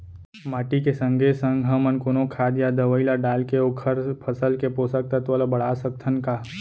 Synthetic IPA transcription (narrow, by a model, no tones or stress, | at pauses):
maːʈikesə̃ŋɡʱesə̃ŋɡɦɐ̃mənkʊnõkʰaːd̪jad̪ɐʋəilaɖaːlkeoːkʰəɾpʰɐsəlkepoːsək̚t̪at̪olabɐɽ̤aːsək̚t̪ʰənkaː